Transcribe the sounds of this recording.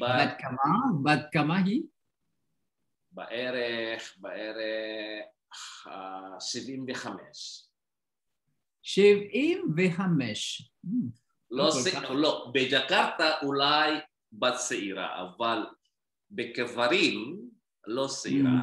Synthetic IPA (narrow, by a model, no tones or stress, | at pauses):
bad̪̚kamabad̪̚kamaɦi | ba̰ʔeɾeχbaeɾe | ʃivimveχameʃ | ʃivimveχameʃ | lolobed͡ʒakaɾt̪aʔulaj | bat̪seiɾa̰ʔa̰val | bekevaɾim | loseḭɾa̰